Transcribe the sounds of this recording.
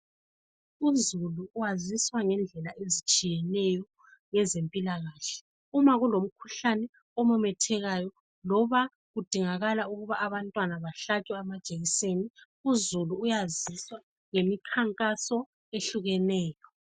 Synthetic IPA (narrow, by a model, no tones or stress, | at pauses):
uzuluːwaziswaŋɛnd͡ɮʱɛlaʔezit͡ʃʼijɛnɛjɔ | ŋɛzempʼilaɣaːɬɛ̥ | umaɣulom̩kʰu̥ɬanɛ | ɔmɔmɛtʰɛɣajɔ | lɔβa | ɣud̥ʱiŋaɣalauɣuβaʔːβantʼwanaβaɬatʼwɛamad̥ʒ̥ʱʼeɣiseni | uzuluːjaziswa | ŋemikʰaŋkʼasɔ | eɬuɣɛnɛːjɔ